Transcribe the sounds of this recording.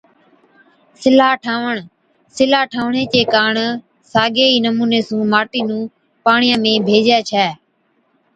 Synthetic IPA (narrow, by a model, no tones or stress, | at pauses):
sɪlaːʈʰaːʋəɳ | sɪlaːʈʰaːʋɳeːt͡ʃeːkaːɳ | saːɡeːiːnəmuːneːsũːmaːʈiːnũː | paːɳɪjãːmẽːbʱeːd͡ʒɛːt͡ʃʰɛː